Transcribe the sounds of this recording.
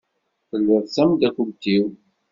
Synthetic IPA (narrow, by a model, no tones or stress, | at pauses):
θəlːəðˤsæmd̪ækubt̪iw